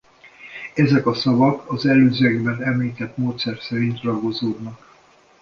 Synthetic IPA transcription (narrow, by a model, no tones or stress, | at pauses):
ɛzɛkɒsɒvɒkʰɒzɛløːzøɛɡbɛnɛmliːt̪ɛt̪moːt̪sɛrsɛɾint̪rɒɡozoːd̪nɒk